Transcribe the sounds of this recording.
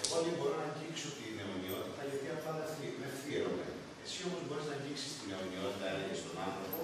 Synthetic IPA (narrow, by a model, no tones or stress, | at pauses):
ot̪ibo̞ɾonɐɲɟikso̞t̪ine̞o̞nio̞t̪it̪ɐiopiɐft̪ɐðɐst̪ime̞fiɾome̞̰ | esio̞po̞zbo̞ɾiznɐɲɟiksi̥st̪ine̞o̞nio̞t̪it̪ɐleist̪o̞nɐnθɾo̞po̞